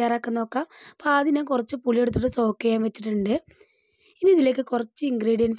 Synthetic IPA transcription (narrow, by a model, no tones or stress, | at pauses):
jaːraːkːɐnːo̞ːkːaːmpaːðinaːŋkurɐt͡ɕːɨpuɭije̞ɽut̪̬ːɨʈːɨso̞ːkːɐjaːmʋɐt͡ɕːiʈːuɳɖɨ | iniiðile̞ːk̬ːɨkurɐt͡ɕːɨiŋɡriːɽijɐns